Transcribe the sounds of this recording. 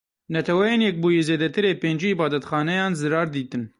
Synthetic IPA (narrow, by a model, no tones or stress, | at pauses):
nɛt̪ʰɛwɛjeːnjɛk̚buːjezeːd̪ɛt̪ɨɾeːpeːnd͡ʒiːbɑːd̪ɛt̪xɑːnɛjɑːnzɨɾɑːɾd̪iːt̪ɨn